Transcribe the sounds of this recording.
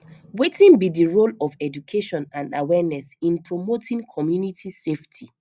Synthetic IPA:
wetĩnbidiɹolɔvɛd͡ʒukʰeʃɔ̃nãndawɛnɛsĩnpɹomotĩŋkʰɔmjunitʰiseftʰi

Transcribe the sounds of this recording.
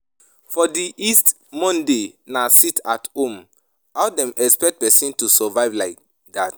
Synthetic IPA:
fɔdiʔist | mɔ̃ndenasitʰathõm | aʊdɛ̃mɛkspɛk̚t̚pɛsĩntusɔvaɪvlaɪk̚ | dat

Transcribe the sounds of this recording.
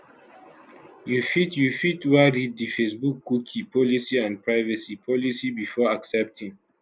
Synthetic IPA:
jufitjufitwaɹiddifesbukːukʰipʰɔlisiãnpʰɹaɪvasipʰɔlisibifɔaksɛp̚tʰĩŋ

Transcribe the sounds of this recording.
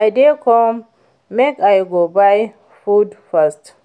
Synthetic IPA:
ajdɛkɔm | mɛkajɡobaj | fudfast

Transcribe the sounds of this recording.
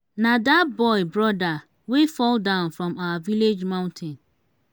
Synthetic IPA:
nãdatbɔɪbɾɔda | wefɔldãʊ̃nfɹɔ̃mawaviled͡ʒmãʊ̃ntʰɛ̃n

